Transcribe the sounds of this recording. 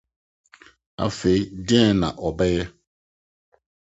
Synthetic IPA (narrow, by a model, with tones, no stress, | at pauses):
a̰˦fe˨i˦dɪ˦ɛ˦nã̰˨ʔɔ˨bɛ˦jɛ˦